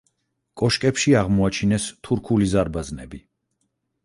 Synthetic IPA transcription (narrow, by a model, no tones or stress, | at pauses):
kʼɔʃkʼɛpʃiaʁmɔat͡ʃʰinɛst̪ʰuɾkʰulizaɾbaznɛbi